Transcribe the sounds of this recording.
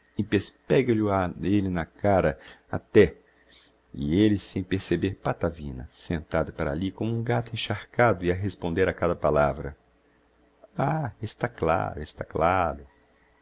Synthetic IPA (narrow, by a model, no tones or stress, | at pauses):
ɪpespɛɡɐlʊaelɪnɐkaɾɐa̰t̪ɛ | ɪ̰elɪsẽj̃peɾsebeɾpat̪avĩnɐ̰sẽnt̪ad̪ɐpaɾa̰likõmʊũɡat̪ʊẽʃaɾkad̪ʊiaɦespõnd̪eɾakad̪ɐpalavɾɐ̰ | aest̪akla̰ɾʊest̪aklaɾʊ